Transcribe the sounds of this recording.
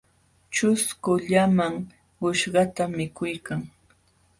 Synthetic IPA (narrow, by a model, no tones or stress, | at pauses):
t͡ʃʊskʊʎamaŋ | ʊʃɢɑt̪amɪkʊjkaŋ